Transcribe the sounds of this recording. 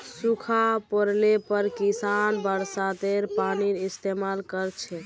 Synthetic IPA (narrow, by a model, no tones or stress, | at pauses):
sukʰapəɾlepəɾkisanbəɾsat̪eɾpaniɾist̪emalkəɾt͡ʃʰɛ